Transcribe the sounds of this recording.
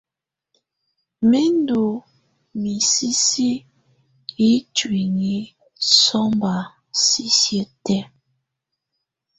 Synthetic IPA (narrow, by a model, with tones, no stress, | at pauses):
me˦n˦do˨ | mi˨si˦si˦ | i˦twi˨ŋi˨˦ | sɔ˦mba˨ | si˦sjə˦tɛ˦